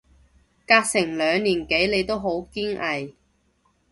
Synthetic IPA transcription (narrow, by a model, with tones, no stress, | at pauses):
kaː˧k̚sɪ˨˩ŋlœː˨˧ŋniː˨˩nke˨˥jle˨˧jt̪o˥wɦo˨˥wkiː˥ŋʔɐ˨j